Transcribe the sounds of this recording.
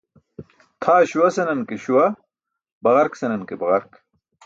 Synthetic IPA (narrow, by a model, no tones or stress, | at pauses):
t̪ʰaːɕuwɐsɐnɐnkeɕuwɐ | bɐɣɐɾksɐnɐnkebɐɣɐɾk